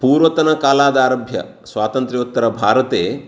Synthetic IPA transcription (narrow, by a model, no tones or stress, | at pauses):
puːɾʋɐt̪ɐnɐkaːlaːd̪aːɾɐbʱjɐ̰ | sʋaːt̪ɐnt̪ɾiut̪ːɐɾɐbʱaːɾɐt̪eː